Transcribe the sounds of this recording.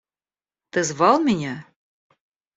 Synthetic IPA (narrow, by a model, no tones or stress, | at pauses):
t̪ɘ̆zβɑlˠmʲinʲæ